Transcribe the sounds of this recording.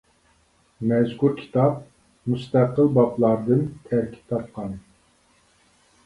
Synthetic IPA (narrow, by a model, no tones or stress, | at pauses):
mɛzkuɾkʲʰi̥t̪ʰɑp̚ | must̪æqəlˠbɑplˠɑɾd̪ɨnt̪ʰæɾkʲʰi̥p̚t̪ʰɑp̚qʰɑnɨ